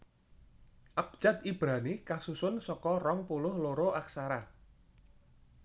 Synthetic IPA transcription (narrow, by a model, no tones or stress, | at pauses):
ʔap̚d͡ʒ̥at̪̚ib̥ɾanikasusʊnsɔkɔrɔŋpulʊhloɾoʔaksaɾa